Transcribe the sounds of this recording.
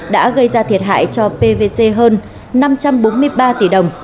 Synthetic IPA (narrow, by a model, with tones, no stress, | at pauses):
ɗa̰ː˧˥ɣə˧jzaː˧t̪ʰi˨˩ət̚ɦa̰ː˧˨jt͡ɕɔ˧pe˧ve˧se˧ɦəː˧nː | a˧mt͡ɕa˧mɓo˨˦nmɨ˧əjɓaː˧t̪i˨˩ɗə˨˩wŋ͡m